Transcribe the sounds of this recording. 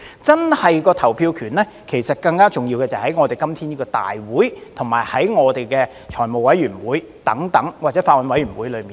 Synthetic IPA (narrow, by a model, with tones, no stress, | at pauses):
t͡sɐ˥nhɐ˨jkɔː˧t̪ʰɐ˨˩wpʰiː˧wkʰyː˨˩nlɛː˥ | kʰe˨˩jsɐ˨t̚kɐ˧ŋkaː˥t͡sʊ˨ŋjiː˧wkɛː˧t͡sɐ˨jhɐ˨˥jŋɔː˨˧t̪e˨jkɐ˥mt̪ʰiː˥niː˥kɔː˧t̪a̰ː˨jwuː˨˥jt̪ʰʊ˨˩ŋma̰ː˨˩jhɐ˨˥jŋɔː˨˧t̪e˨jkɛː˧ | t͡ʃʰɔː˨˩jmo˨wɐ˨˥jɥyː˨˩nwuː˨˥j | t̪ɐ˨˥ŋt̪ɐ˨˥ŋwa˨t͡sɛː˨˥faː˧t̚wɐ˨˧nwɐ˨˥jɥy˨˩nwuː˨˥jlɵ˨˧miː˨